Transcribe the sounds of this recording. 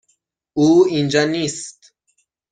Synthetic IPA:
uːind͡ʒɒːnist̪

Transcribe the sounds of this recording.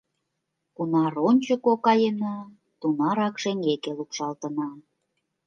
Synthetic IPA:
kunɑronʲt͡ɕŏkokɑjənɑ | t̪unɑɾɑkʃeŋɡekelukʃɑlt̪ə̆nɑ

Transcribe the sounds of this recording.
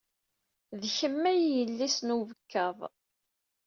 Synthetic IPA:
ðçəmːæjjəlːisnuvəkʰːəðˤ

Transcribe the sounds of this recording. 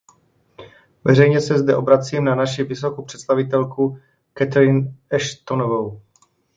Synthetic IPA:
vɛrɛjɲɛsɛzdɛʔo̞bɾat͡siːmnanaʃivɪsokupr̝̥ɛt̪st̪avɪt̪ɛlku | kɛt̪ɾɪnɛʃt̪onovow

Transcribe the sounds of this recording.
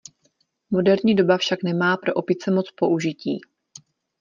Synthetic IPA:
mo̞dɛɾɲiːdo̞bafʃaknɛmaːpɾo̞ʔopɪt͡sɛmo̞t͡spo̞ʔuʒɪcḭː

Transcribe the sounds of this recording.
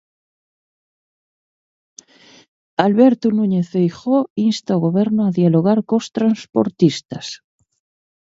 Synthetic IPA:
alβeɾt̪unuɲeθejxoinst̪aoɣoβ̞eɾnoaðjaloɣ̞aɾkost̪ɾanspo̰ɾt̪ist̪as

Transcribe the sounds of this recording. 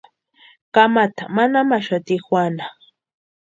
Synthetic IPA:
kamat̪amanamaʃat̪ixwana

